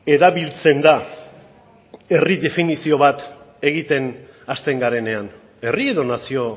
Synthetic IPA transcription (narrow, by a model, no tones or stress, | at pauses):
e̞ɾaβilt͡se̞nd̪a | e̞riðe̞finisio̞βat̪ | e̞ɣit̪e̞n | ast̪e̞ŋɡaɾe̞ne̞an | e̞rie̞ðo̞nasio̞